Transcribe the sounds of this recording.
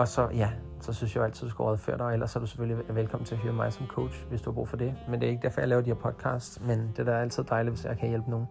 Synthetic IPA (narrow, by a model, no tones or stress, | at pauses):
ɒ̽sɒ̽jæ | sɒ̽synsjaælt͡sʰið̰̥ˠusɡ̥uʁɒðˠfø̰ɐɾ̥ɑ̈el̰ɐsːɒɐd̥use̥føliʋelkʰɒ̽m̰n̩t͡sʰe̝ɐɦyːɐmɑ̈ɪsɒ̽mkʰoʊdɕʋesd̥uhɑ̈b̥ʁṵːfɒ̽d̥e̝mend̥e̝ɐe̝ɡəd̥æɐ̰fɒ̽jɑ̈ɪlɛːʊɐd̥iɐ̰pʰɒ̽d̥̚kʰɑ̰̈ːsd̥mend̥e̝d̥ɑɐæl̰t͡sʰið̰ˠd̥ɑ̈ɪliʋe̝sjɑ̈ɪkʰæjelb̥əno̝ːn̩